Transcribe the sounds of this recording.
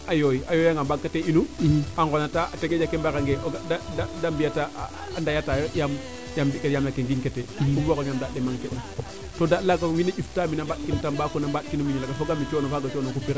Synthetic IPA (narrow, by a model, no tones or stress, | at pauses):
ajojiajojaŋɡambakːateinuaŋɡonataʔateɡed͡ʒakembakaŋɡeʔadadadambijata̰ː | ndajatajjam | jambikejamnakeŋɡinketekubokoɲamdaɗemaŋkena | todalaɡawinaʔiftaːminambaɗ̚kintambakonambaɗkinumiɲalaɡafoɡamit͡ʃonofaɡat͡ʃonokupiɾa